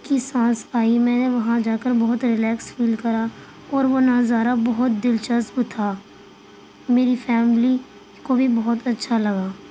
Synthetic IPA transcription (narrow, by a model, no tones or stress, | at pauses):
kisãːsaːimɛ̃ːneʋɐɦãd͡ʒaːkəɾbɔɦʊt̪ɾɪlɛːksfiːlɖkɐɾaː | ɔːɾʋonaːzaːɾabɐɦʊt̪̚d̪ɪlt͡ʃəst̪bʊt̪ʰaː | meːɾifɛːmli | kobʱibɐɦʊt̪ɐtːʃʰalɐɡaː